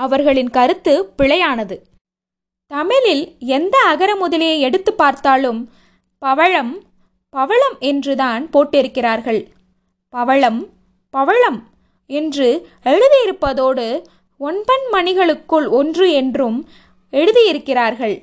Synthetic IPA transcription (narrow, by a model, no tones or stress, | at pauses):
ɐʋɐɾɣɐɭɪnkɐɾɯt̪ːɯpɪɭɐjaːnɐðɯ | t̪ɐmɪlɪlɛnd̪ɐːɣɐɾɐmʊðɐlɪjɐɪɛɽɯt̪ːɯpːaːɾt̪aːlɯm | pɐʋɐɻɐm | pɐʋɐɭɐmɛndrɯðaːnpoːʈːɪɾɯkːɪraːɾɣɐɭ | pɐʋɐɭɐm | pɐʋɐɭɐm | ɛndrɯ | ɛɻɯðɪjɪɾɯpːɐðoːɽɯ | ɔnbɐnmɐnɪɣɐɭɯkːɯɭɔndrɯɛndrɯm | ɛɻɯðɪjɪɾɯkːɪraːɾɣɐɭ